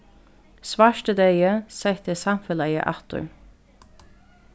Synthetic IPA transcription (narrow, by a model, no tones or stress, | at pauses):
sʋɑːʃʈəd̪eɪəsɛɪt̪əsɑmfəlæɪə̰ʔɑt̪ʉ̰